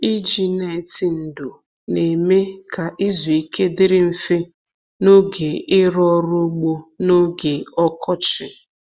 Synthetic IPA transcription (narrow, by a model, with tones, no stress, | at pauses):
i˦d͡ʒi˨ne˨tɪ˨n̩˨dʊ˨ | ne˨me˦ka˨ʔɪ˦zu˨i˨ke˦dɪ˦ɾɪ˦m̩˦fɪ˦ | no˦ɡe˨ɪ˦ɾɔ˦ɾʊ˦ɡ͡bo˦no˦ɡe˨ɔ˦kɔ˦t͡ʃɪ˨